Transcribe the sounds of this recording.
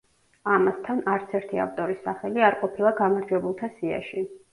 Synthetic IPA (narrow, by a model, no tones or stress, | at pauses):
amast̪ʰanaɾt̪sʰɛɾt̪ʰia̰ft̪ʼɔɾisːaχɛliaɾqʼɔpʰilˠaɡamaɾd͡ʒwɛbulˠt̪ʰasia̰ʃi